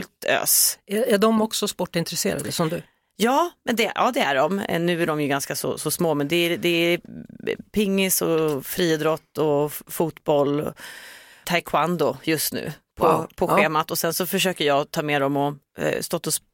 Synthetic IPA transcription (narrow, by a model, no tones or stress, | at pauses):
lt̪ø̰ːsææɖɔmɔksɔspɔʈːɪnt̪ɾɛsḛːɾa̰d̪əsɔmd̪ɵ | jɑːmɛnd̪ɛʔɑ̰ːd̪ɛæ̰ɖɔm̰nʉ̟ːæɖɔmjɵɡanskasɔ̰sɔsmoːmɛnd̪ɛæɾd̪ɛæ | pʰɪŋːɪsɔfɾiːd̪ɾɔt̪ːɔfuːt̪bɔl̰ː | t̪ʰajkʰwand̪ʊjɵst̪nʉ̟̰ːpʰɔpʰɔɧeːmat̪ɔsɛnsɔfœʂøːkəɾjɑːt̪ʰɑːmeːd̪ɔmɔ | st̪ɔt̪ːɔs